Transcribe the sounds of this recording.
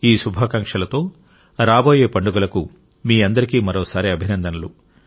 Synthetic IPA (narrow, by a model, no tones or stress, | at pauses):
iːsubʱaːkɐŋkʂɐlɐt̪o̞ː | ɾaːbo̞ːjeːpɐɳɖuɡɐlɐku | miːɐnd̪ɐɾikiːmɐɾoːsaːɾiɐbʱinɐnd̪ɐnɐlu